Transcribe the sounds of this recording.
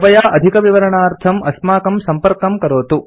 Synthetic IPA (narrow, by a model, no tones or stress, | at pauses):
ʋɐjaːʔɐd̪ʱikɐʋiʋɐɾɐɳaːɾt̪ʰɐmʔɐsmaːkɐmsɐmpɐɾkɐmkɐɾoːt̪u